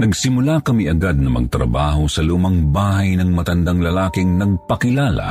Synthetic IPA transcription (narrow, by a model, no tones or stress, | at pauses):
nɐɡsɪmʊlakɐmiʔɐɡad̪̚nɐmɐ̰ɡt̪ɾɐ̰baːho̞sɐluːmɐŋbaːhɐjnɐŋmɐt̪ɐnd̪aŋlɐlaːkɪŋnɐɡ̚pɐkɪlaːlɐ̰